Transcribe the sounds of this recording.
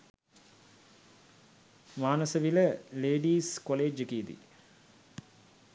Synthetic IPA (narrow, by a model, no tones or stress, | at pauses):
maːnəsəʋiləleːɖiːskoleːd͡ʒəkiːd̪ḭ